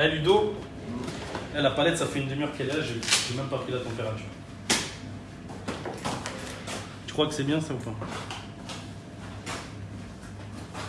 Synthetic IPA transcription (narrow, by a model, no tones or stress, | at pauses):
alyd̪o | alapalɛt̪safɛynd̪əmjœʁkɛlaʒeʒemɛmpapχilat̪ɑ̃peʁat̪yːʁ | t̪y̥kχwakəsɛbjɛ̃saɑ̃fɛ̃